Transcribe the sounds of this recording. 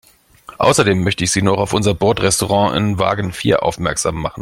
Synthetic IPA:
ʔaʊsɐdeːmːœçtəɪçz̥iːnɔχaʊfʔʊnzɐbɔɐtʁɛstoʁɑ̃ːʔɪ̰nva̰ːɡn̩fḭːɐʔa̰ʊfmɛɐkz̥a̰ːmːaχn̩

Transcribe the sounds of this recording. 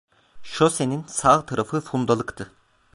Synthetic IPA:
ʃoseninsaʁt̪ʰaɾafɯfund̪alˠɯkt̪ʰɯ

